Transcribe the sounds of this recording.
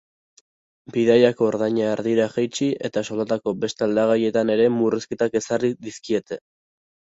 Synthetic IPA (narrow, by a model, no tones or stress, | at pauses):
biðajako̞ːɾðaɲaeɾðiɾaɣajt͡ʃiʔe̞t̪aso̞lat̪ako̞be̞st̪eald̪aɣ̞aje̞t̪ane̞ɾe̞muriske̞t̪ake̞sariðiskie̞t̪e̞